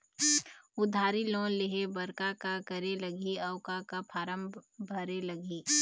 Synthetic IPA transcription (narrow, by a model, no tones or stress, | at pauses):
ʊd̪ʱaːɾilõːnleɦebɐɾkakakɐɾelɐɡiɐːʊkakapʰaːɾəmbʱɐɾelɐɡiː